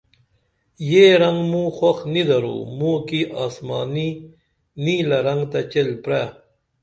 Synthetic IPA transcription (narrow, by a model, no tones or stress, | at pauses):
jeɾaŋɡmũxwaxnid̪aɾṵmukiʔaːsmaːni | niːlaɾɐŋɡt̪at͡ɕelpɾa